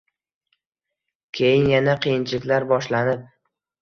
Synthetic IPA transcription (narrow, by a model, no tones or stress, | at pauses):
kʲʰejɪnjanaqʰɨjɪnt͡ʃʰɪlɪkʲlaɾbɒʃlanɪp̚